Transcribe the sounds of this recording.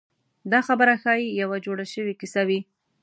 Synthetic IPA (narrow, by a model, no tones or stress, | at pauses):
d̪ɑxabəɾaxɑjijawad͡ʒoɽaʃəwikisawi